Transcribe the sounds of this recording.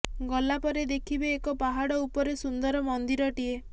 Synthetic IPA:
ɡɔlapɔɾed̪ekʰibeːkɔpaɦaɽɔupɔɾesund̪ɔɾɔmɔnd̪iɾɔʈie

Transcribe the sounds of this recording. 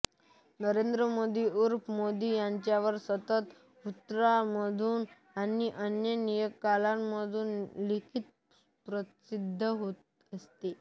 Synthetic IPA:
nəɾend̪ɾəmod̪iːuɾpmod̪iːjaɲt͡ɕjaʋəɾsət̪ət̪ | ut̪ːɾaməd̪ʱuːn | aniʔənjənijəkːalamməd̪ʱuːnlikʰit̪̚ | pɾəsid̪ʱːəɦot̪ | əst̪e

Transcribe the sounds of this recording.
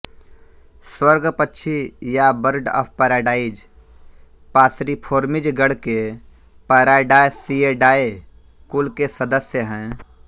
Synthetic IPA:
swəɾɡpətːʃʰijabəɾɖɔ̰ːpʰpəɾaːɖaːɪd͡ʒ | paːsɾipʰoːɾmɪd͡ʒɡəɽke | pəːɾaːɖaːesieɖaːe | kulkesəd̪əsjəɦɛ̃ː

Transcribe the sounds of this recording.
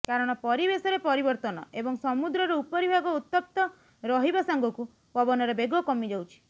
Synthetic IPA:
kaɾɔɽ̃ɔpɔɾibesɔɾepɔɾibɔɾt̪ɔnɔ̰ebɔŋsɔmud̪ɾɔɾɔupɔɾibʱaɡɔut̪ːɔp̚t̪ɔ | ɾɔɦibasaŋɡɔku | pɔbɔnɔɾebeɡɔkɔmid͡ʒawt͡ʃʰi̥

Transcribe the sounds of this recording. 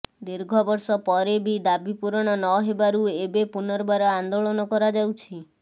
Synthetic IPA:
d̪iɾɡʱɔbɔɾsɔpɔɾebid̪abipuɾɔɽ̃ɔnɔɦebaɾuebepunɔɾbaɾɔand̪oɭɔnɔkɔɾad͡ʒawt͡ʃʰi

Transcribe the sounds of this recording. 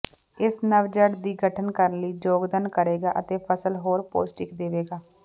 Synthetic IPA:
ɪsnəʋd͡ʒəɖd̪iːɡəʈʰənkəɾənləiːd͡ʒoːɡd̪ənkəɾeːɡaːʔət̪eːpʰəsəlɦoːɾpo̰ːsʈɪkd̪eːʋeːɡaː

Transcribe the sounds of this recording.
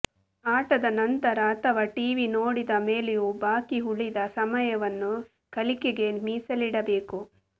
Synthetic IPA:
aːʈɐd̪ɐnɐnt̪ɐɾɐːt̪ʰɐʋɐʈiːʋino̞ːɽid̪ɐme̞ːlejubaːkiɦuɭid̪ɐsɐmɐjɐʋɐnːu | kɐlikeɡe̞miːsɐliɽɐbe̞ːku

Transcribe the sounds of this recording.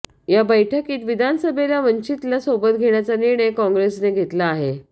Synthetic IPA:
jabəjʈʰəkiːt̪ʋid̪ʱansəbʱelaʋəɲt͡ɕit̪lasobət̪̚ɡʱeɳjat͡saniɾɳ̃əjkɔ̃ŋɡɾesneɡʱet̪laːɦe

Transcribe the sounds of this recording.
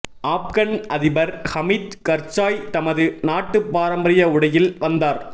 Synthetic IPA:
ʔaːp̚kɐɳʔɐðɪbɐɾhɐmiːt̪kɐɾt͡ʃaːjt̪ɐmɐðɯnaːʈːɯpːaːɾɐmbɐɾɪjɐʊɽɐjɪlʋɐnd̪aːɾ

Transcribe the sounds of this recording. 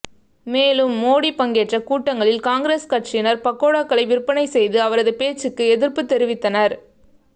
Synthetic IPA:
meːlɯmːoːɽipɐŋɡeːʈrɐkuːʈːɐŋɡɐɭɪlkaːŋɡɾeːskɐʈrɪjnɐɾpɐkːoːɽakːɐɭɐɪʋɪrpːɐnɐɪsɛjðɯɐʋɐɾɐðɯpeːt͡ʃːɯkːɯɛðɪɾpɯt̪ːɛɾɪʋɪt̪ːɐnɐɾ

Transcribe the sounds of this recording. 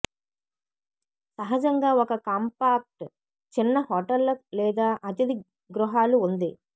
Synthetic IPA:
sɐɦɐd͡ʒɐŋɡaːɔkɐkaːmpaːk̚ʈ | t͡ʃinːɐɦoːʈɐlːɐlɛːd̪aːʔɐt̪̬ɐd̪i | ɡɾuɦaːluund̪i

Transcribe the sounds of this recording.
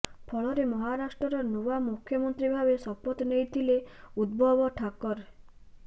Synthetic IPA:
pʰɔɭɔɾemɔɦaɾasʈɾɔɾɔnuwamukʰjɔmɔnt̪ɾibʱabesɔpɔt̪nejt̪ʰileud̪̚bʱɔbɔʈʰakɔɾ

